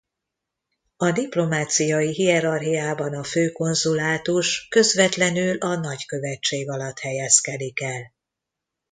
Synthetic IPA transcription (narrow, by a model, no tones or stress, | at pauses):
ɒd̪iplo̞maːt̪sijɒjiɦiɛɾɒrɦijaːbɒnɒføːko̞nzulaːt̪uʃkø̞zʋɛt̪lɛnylɒnɒɟkø̞vɛt͡ʃːeːɡɒlɒt̪hɛjɛskɛd̪ikɛl